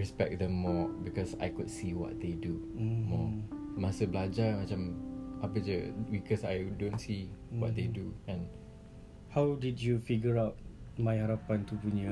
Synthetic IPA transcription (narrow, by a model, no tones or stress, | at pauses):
ɹɛspɛk̚d̪ɛ̃mːɔbikɔsa̰jkud̚siwɔ̰t̚d̪edumɔ | mãsəbəlad͡ʒamat͡ʃamapəd͡ʒəbikɔsajdõnsiwɔ̰t̪̚d̪eduɛ̃n | hawdidjufiɡəɹaʊt̚ | mãjhaɾapant̪upuɲa